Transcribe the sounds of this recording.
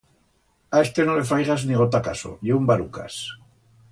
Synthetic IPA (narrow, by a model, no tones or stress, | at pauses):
aest̪enole̞fɾajɣazniɣot̪akaso̰jeumbaɾuka̰s